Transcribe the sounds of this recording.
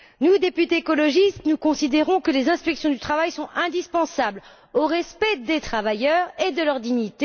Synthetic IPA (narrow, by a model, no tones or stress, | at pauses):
nud̪epyt̪eːkɔlɔʒist̪nukɔ̃sid̪eʁɔ̃kəlezɛ̃spɛksjɔ̃d̪yt̪χavajsɔ̃ɛ̃d̪ispɑ̃sabl | oʁɛspɛd̪et̪χavajœʁed̪əlœʁd̪iɲit̪e